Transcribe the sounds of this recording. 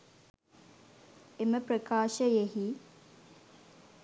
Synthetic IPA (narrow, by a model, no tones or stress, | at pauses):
eməprəkaːʃəjeɦi